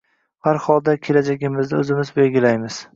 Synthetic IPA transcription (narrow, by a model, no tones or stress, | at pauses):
haɾhɒlˠd̪akʲʰe̞lad͡ʒaɡʲɪmɪzd̪ɪɵzɪmɪzbe̞lɡʲɪlajmɪz̥